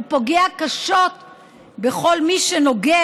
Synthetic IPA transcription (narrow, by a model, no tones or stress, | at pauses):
upo̞ɡeakaʃot̪ | beχo̞lmiʃeno̞ɡe